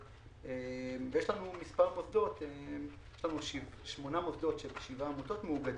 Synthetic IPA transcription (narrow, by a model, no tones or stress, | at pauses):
emvejeʃlanumispaʁmosd̪o̞t̪ejjeʃlanuʃiʃmo̞namosd̪o̞t̪ʃebeʃivamoto̞t̪meuɡad